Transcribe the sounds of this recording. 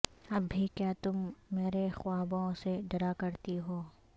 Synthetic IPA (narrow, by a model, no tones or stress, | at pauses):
ɐbʱːikjaːt̪ʊmːeːɾexwaːbõseɖɐɾakɐɾt̪iɦoː